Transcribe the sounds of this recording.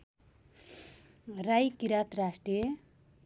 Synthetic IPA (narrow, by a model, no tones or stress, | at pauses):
rajkiɾat̪rasʈrije